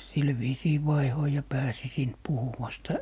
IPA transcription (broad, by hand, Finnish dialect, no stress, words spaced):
sil ʋiːsiː ʋɑihoi jɑ pæːsi siːnt puhuwɑstɑ